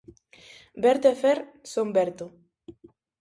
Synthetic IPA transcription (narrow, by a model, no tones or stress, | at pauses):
beɾt̪efeɾ | sombeɾt̪o